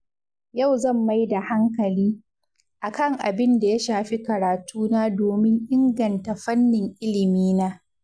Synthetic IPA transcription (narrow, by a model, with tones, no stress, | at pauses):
ja˦˨wzɐ˦˨mːa˦jda˨ha˦ŋkɐ˨liː˦ | ʔa˨kɐ˦˨ŋʔa˨bɪ˦nda˨ja˦ʃaː˨ɸi˦kɐ˨ɾaː˨tʰuː˦naː˦doː˨mɪ˦ŋʔɪ˦ŋɡɐ˨nta˨ɸɐ˦nːɪ˨ŋʔɪ˦lɪ˨miː˦naː˦